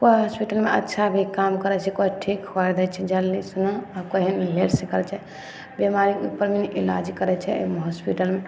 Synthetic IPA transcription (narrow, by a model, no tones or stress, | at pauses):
koɦɔspiʈəlmeʔə̰tːʃʰabʱikamkəɾɛt͡ʃʰɛkoɦiʈʰikhoɛd̪ɛt͡ʃʰɛd͡ʒəlːisunoakoɦinleɖsekəɾɛt͡ʃʰɛ | bemaɾiupəɾminʔila̰d͡ʒikəɾɛt͡ʃʰɛ̰mɦɔspiʈəlme